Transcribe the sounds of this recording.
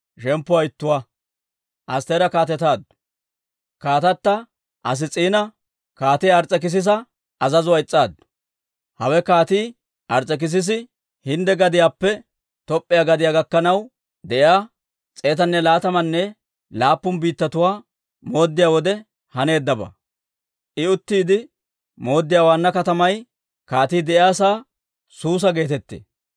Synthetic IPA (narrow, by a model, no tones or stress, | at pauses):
ʃɛmpːʊwɐɪt̪ːʊwa | ʔɐst̪eːɾɐkaːt̪ɛt̪aːd̪ | kaːt̪ɐt̪ːɐ | ʔɐs̬ɪt͡sʼiːnɐ | kaːt̪ɪjɐɾt͡sʼːɛk̬ɪs̬ɪs̬ɐ | ʔɐzɐzʊwɐɪt͡sʼːaːd̪ | hɐwɛkaːt̪iː | ʔɐɾt͡sʼːɛk̬ɪs̬ɪs̬ɪ | hɪnd̪ɛɡɐd̪ɪjaːpːɛ | t̪ɔpʼːɪjaɡɐd̪ɪjaːɡɐkːɐnɐw | d̪ɛʔjaː | t͡sʼe̞ːt̪ɐnːɛlaːt̪ɐmɐnːɛ | laːpːʊnbiːt̪ːɐt̪ʊwaː | mo̞ːd̪ːɪjaːwɔd̪ɛ | hɐne̞ːd̪ːɐbɐ̰ | ʔɪʊt̪ːiːd̪ɪ | mo̞ːd̪ːɪjaːwaːnːɐkɐt̪ɐmɐj | kaːt̪iːd̪ɛʔjaːsaː | suːs̬ɐɡe̞ːt̪ɛt̪ːḛː